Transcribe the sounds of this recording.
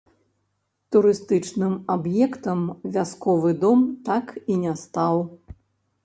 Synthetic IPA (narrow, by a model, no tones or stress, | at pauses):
t̪uɾɨst̪ɨt͡ʂnɨmabjɛkt̪ɐmvʲaskɔvɨd̪ɔmt̪akinʲast̪aw